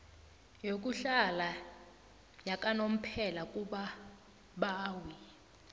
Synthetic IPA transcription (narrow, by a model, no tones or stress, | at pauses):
jok̬ʼuɬala | jakʼanom̩pʰɛlak̬ʼuɓa | ɓaːwi